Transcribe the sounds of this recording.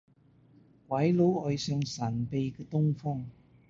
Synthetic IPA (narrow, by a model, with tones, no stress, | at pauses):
kwɐ˨˥jlo˨˥wɔ˨˧jsœː˨˧ŋsɐ˨˩npe˨˧jkɛ˧t̪ʊ˥ŋfɔ˥ŋ